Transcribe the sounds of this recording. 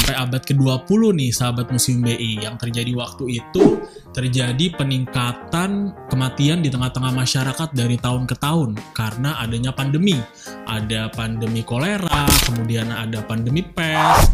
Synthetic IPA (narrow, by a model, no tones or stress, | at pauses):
sampajabat̪̚kəduapulʊhnɪhsəɦabat̪̚musɪmbeʔijaŋt̪ərd͡ʒadiwak̚t̪uit̪u | t̪ərd͡ʒadipəniŋkat̪ankəmat̪iandit̪əŋaht̪əŋahmaʃaɾakat̪̚daɾit̪aʊnkət̪aɦʊnkaɾənaʔːdaɲapandəmi | ʔa̰dapandəmikoleɾakəmudiana̰dapandəmipɛs